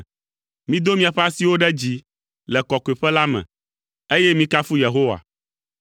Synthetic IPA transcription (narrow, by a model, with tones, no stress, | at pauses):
mĩ˦d̪o˦mĩ˦a˨ɸɛ˦a˦si˦wo˦ɖɛ˦d͡ʑi˦ | lɛ˨kɔ˨ke˨ɸɛ˦la˦mɛ̰̃˨ | e˦jɛ˦mĩ˦ka˦fu˦je˨ɦo˦wa̰˨